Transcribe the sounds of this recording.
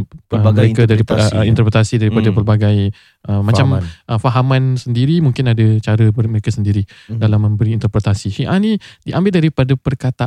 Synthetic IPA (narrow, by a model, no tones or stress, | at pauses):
əməɾekadaɾiint̪ərpɾet̪asidaɾipadapərbaɡaj | ʔəmat͡ʃamʔəfaɦamãnsəndiɾimuŋkɪnadat͡ʃaɾəəməɾekasəndiɾi | dalamːə̃mbəɾiːnt̪ərpɾet̪asiʃiʔanĩdiʔambɪldaɾipadapərkat̪aʔ